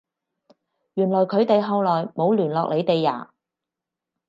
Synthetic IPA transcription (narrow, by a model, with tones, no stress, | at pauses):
jyː˨˩nlɔː˨˩jkʰɵ˨˧ɥt̪e˨˧jɦɐ˨˧wlɔː˨˩jmo˨˧wlyː˨˩nlɔː˨k̚le˨˧jt̪e˨jːa̰ː˨˩